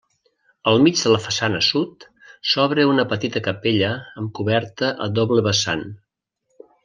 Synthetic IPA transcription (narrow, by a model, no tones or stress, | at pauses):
əlˠmid͡ʒðələfəsanəsut̪ | sɔβɾəunəpət̪it̪əkəpeʎəəːmkuβɛɾt̪əʔə̰ðɔβləβəsa̰n